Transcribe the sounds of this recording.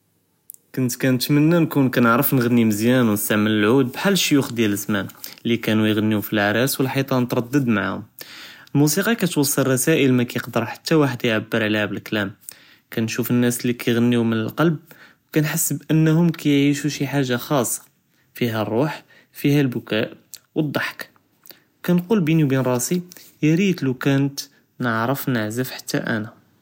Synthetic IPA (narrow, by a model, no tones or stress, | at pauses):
kʊnt̪kænt̪mənːænkunkænəʕɾəfnɣənːiməzjænwnəst̪aʕmələlʕud̪̚bħalːʃijʊxd̪jæləzmænlikænujɣænːiufilʕaɾˤɑswəlħit̪ˤɑnət̪ɾˤɑd̪ːəd̪maʕhʊ̰məlmusiqɑkæt̪wɑsˤːəlrˤːɑsæʔəlmækæjəqd̪əɾˤħḁt̪ːæwaħəd̪jʕabːəɾˤʕlihæbəlklæm | kænʃufənːæslːikæjɣænːimənəlqɑlb̚wkænħəsːbʔənːhʊmkæjʕiʃuʃiħaʒːaxɑsˤːɑ̥ | fiɦærˤːuħ | fihælbʊkæʔwəd̪ˤːɑħk | wkænqulbiniwbinɾˤɑsijɾit̪lukænət̪ | nəʕɾəfnəʕzəfħḁt̪ːæ̰ʔæ̰næ